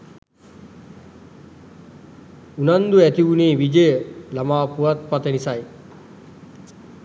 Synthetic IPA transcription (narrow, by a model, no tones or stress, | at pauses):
unand̪uæt̪iʋuneːʋid͡ʒəjəlamaːpuʋat̪̚pat̪ənisaj